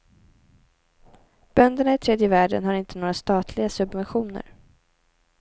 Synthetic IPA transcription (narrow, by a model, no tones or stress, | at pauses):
b̥œnd̪əɳaɪt̪ʰɾeːd̪jəvæːɖə̰nhaɾɪnt̪ənoːɾast̪ɑːt̪ʰlɪɡasɵbvɛnɧuːnə̰ɾ